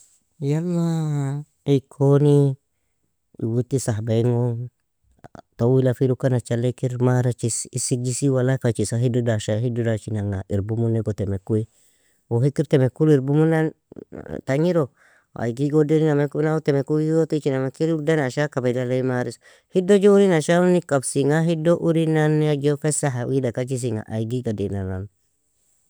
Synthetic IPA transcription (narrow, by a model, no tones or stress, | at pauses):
jalːa | ikʰoni | ḭwutisaɦbaiŋo | tawilafiɾukanat͡ʃalekiɾmaɾat͡ʃisisik̚d͡ʒisiwalafat͡ʃisaɦidudaʃaɦidudat͡ʃinaŋaʔiɾbumuneɡotemekui | wohikiɾtɛmekuliɾbumunan | taɲiɾo | a̰ɡiɡodeɾinamekunawotɛmekuotit͡ʃinamekiɾudanaʃakabaidalaimaɾis | hidod͡ʒouɾinaʃaunikabsiŋaɦidoʔuɾinanːad͡ʒofesaɦawidakat͡ʃis̬iŋa̰ʔa̰iɡiɡadinanan